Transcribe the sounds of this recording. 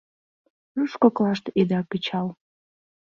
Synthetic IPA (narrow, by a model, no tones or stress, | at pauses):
nuʃkoklɑʃt̪ed̪ɑkət͡ɕɑl